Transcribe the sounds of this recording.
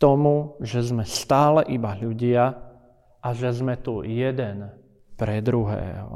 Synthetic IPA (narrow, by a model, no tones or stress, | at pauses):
t̪ɔmuʒɛzmɛst̪aːlɛʔibaʎuɟɪa | ʔaʒɛzmɛt̪ujɛd̪ɛn | pɾɛd̪ɾuɦɛ̰ːɦɔ̰